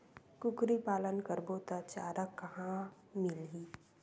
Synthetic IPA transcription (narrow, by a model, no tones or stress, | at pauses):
kʊkɾipaːlənkəɾbot̪at͡ʃaːɾəkːɐɦã | mɪlɦi